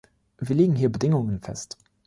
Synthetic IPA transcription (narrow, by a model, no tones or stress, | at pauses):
viːɐleːɡŋ̩hiːɐbədɪŋʊŋənfɛ̰st